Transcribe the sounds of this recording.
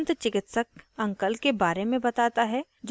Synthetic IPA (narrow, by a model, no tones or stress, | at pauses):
nt̪t͡ʃɪkɪt̪səkɐ̃ŋkəlkebaːɾemẽbɐt̪aːt̪aɦɛ | d͡ʒ